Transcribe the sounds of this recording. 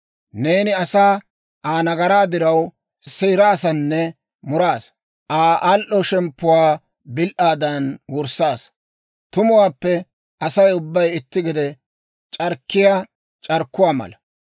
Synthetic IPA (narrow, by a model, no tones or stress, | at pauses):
neːnɪɐsaː | ʔaːnɐɡɐɾaːd̪ɪɾɐw | sɛjɾaːsɐnːɛ | mʊɾaːs | ʔaːʔalʔɔʃɛmpːʊwaː | bɪlʔaːd̪ɐnwɔɾsaːs | t̪ʊmʊwaːpːɛ | ʔɐsɐjʊbːɐjɪt̪ːɪɡɪd̪ɛ | t͡ʃʼɐɾkːɪjaː | t͡ʃʼɐɾkːʊwaːmɐ̰lɐ